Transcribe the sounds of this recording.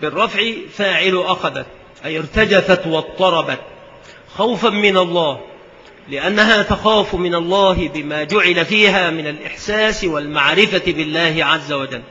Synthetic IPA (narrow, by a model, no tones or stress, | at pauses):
bɪrˤːɑfʕɪfaːʕɪlʊʔaxaða̰t̪̚ | ʔajɪɾt̪ad͡ʒaθat̪wɑt̪ˤːɑɾˤɑbat̪̚ | xawfanmɪnalˤːɑːh | lɪʔanːaɦaːt̪axaːfmɪnɑlˤːɑːhɪbɪmaːd͡ʒʊʕɪlafiːɦaːmɪnalʔɪħsaːsɪwalmaʕɾɪfabɪlːaːhɪʕazːawad͡ʒalː